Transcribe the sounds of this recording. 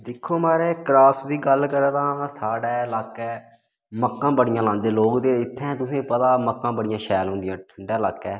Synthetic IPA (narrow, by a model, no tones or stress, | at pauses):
d̪ɪkʰːoːmaːɾeːkɾaːptd̪iːɡəlkəɾaːt̪ãːst̪ʰaːɽɛːlaːkɛː | məkːãːbəɽɪjãːlãːnd̪eːloːkd̪eːɪt̪ʰːɛ̃ːt̪ʊsẽːpət̪aːməkːãːbəɽɪjãːʃɛːlɦʊ̃nd̪ɪjãːʈʰəɳɖɛːlaːkːɛː